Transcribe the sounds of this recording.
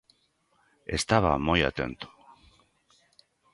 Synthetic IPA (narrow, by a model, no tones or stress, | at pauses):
e̞st̪aβamo̞ja̰t̪e̞nt̪u̥